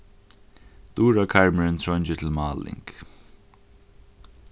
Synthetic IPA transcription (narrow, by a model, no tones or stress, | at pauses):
d̪̥uːɹakʰaɹməɹɪnt̪ʰɹɔnt͡ʃɪt̪ʰɪlmaːlɪ̰ŋk